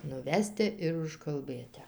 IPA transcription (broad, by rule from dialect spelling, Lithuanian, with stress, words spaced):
nʊˈʋʲæːsʲtʲɛ ɪr ʊʃkɐlˠˈbɘtʲɛ